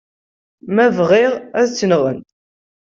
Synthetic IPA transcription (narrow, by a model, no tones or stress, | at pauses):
mævʁɪʁæðt͡sːənʁə̰n